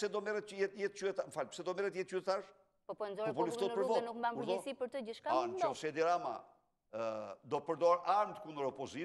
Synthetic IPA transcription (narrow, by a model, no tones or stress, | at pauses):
sɛd̪ɔmɛɾɛt̪əjɛt̪jɛt̪t͡ʃyɛt̪aməfalpə̥sɛd̪ɔmɛɾɛt̪jɛt̪t͡ʃyt̪ɛt̪aɾ | pɔpɔnzɔɾɔpɔluft̪ɔpəɾvɔnukmbampuɾɔsipəɾt̪əɟəʃkaant͡ʃɔsɛd̪iɾama̰ | d̪ɔpəɾd̪ɔɾaɾnd̪kund̪əɾɔpɔzi